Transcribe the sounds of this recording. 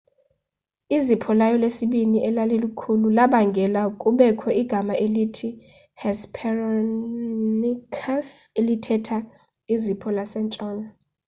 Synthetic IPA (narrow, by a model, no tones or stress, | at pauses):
izipʰɔlajɔlesiɓiniʔɛlalelukʰululaɓaŋɡʱɛlakʼuɓɛkʰɔiɡ̥ʱamaʔelitʰi | hɛspʰɛrɔ | nikʰaselitʰɛtʰa | izipʰɔlasɛnt͡ʃʼɔːna